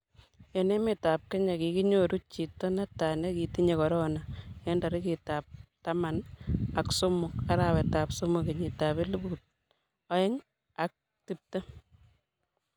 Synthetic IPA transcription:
e˨ne˦me˨ta˨p̚ke˦ɲa˨ki˨ki˦ɲoɾu˦t͡ʃi˨tːɔ˦na˦ta˨ne˦ki˨ti˦ɲe˨kɔ˨ɾɔ˦na˨ɛ˦nda˨ɾɪ˦ki˨tap̚ta˦ma˨na˨kso˦mʊ˨ka˦ɾa˨wɛ˨ta˨pso˦mʊ˨ke˨ɲɪ˨ta˨be˦li˦bu˨t̚ | ɔ˦ɪ˦ŋ | a˨k̚ | ti˦p̚te˦

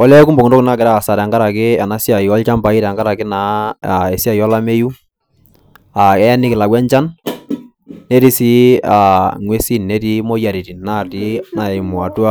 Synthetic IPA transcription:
ɔ˦lɛ˦ku˦mbɔ˨ŋndɔ˦kna˦˨kɪ˨ɾa˦˨sa˨ɾɛ˨ŋɡa˦ɾa˨kɪ˦ɛ˨na˦si˦a˨jɔ˦lt͡ʃa˦mba˨i˦ɾa˨ŋɡa˦ɾa˨kɪ˦na˨˦˨ɛ˨si˦a˨jɔ˦la˦me˦ju˦ | a˨ɛ˦nɪ˦kɪ˨la˨kwɛ˦ɲt͡ʃa˦n | e˦ɾi˦si˦a˨ŋwe˦si˦nɛ˦ti˦mɔ˦ja˨ɾi˨ti˨na˦˨ti˦na˨ɛ˨mʊ˨a˨tu˦a˦

